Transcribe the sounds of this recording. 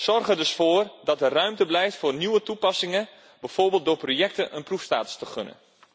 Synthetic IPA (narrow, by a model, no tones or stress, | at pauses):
sɔrɣədɵsfoːrdɔtərœɥmtəblɛjftfoːrnyʋətupɑsɪŋə | bɛjforbeːlˠtdoːprojɛk̚təʔənprufsta̰ːtə̥stəχønə̰n